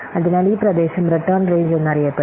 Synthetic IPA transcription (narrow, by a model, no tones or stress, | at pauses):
ɐðɪnaːlipɾɐd̪eːʃɐmɾɪʈːɐɾnreːɲd͡ʒenːɐɾɪjɐpːɐ